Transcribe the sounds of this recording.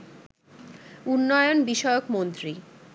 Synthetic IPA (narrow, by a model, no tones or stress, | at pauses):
unːɔjonbiʃɔokmont̪ɾi